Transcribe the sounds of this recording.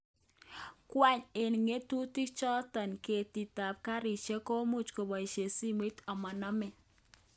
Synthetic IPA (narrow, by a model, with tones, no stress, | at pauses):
kwa˦ɲɪ˨nŋe˦tu˦ti˦kt͡ʃɔ˦tɔ˨nke˨ti˨ta˨p̚ka˦ɾɪ˨t͡ʃe˦ko˦mu˦t͡ʃko˨bɔ˨i˨ʃe˨si˦me˦tɔ˨mɔ˨nɔ˦mɛ˨